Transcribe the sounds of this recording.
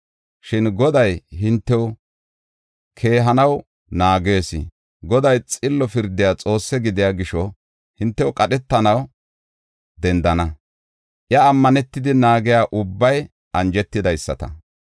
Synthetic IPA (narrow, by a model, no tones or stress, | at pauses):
ʃɪnɡɔd̪ɐjɦɪnt̪ːɛw | kʰe̞ːɦɐnɐw | naːɡe̞ːsɪ̰ | ɡɔd̪ɐjt͡sʼɪlːɔfɪɾd̪ɪjaːt͡sʼo̞ːsːɛɡɪd̪ɪjaːɡɪʃɔ | hɪnt̪ːɛwʊkʼɐɗɛt̪ːɐnɐw | d̪ɛnd̪ɐnɐ | ʔjɐːmːɐnɛt̪ːɪd̪ɪnaːɡɪjaːʔʊbːɐj | ʔɐnd͡ʒɛt̪ːɪd̪ɐjsːɐ̰t̪ɐ̰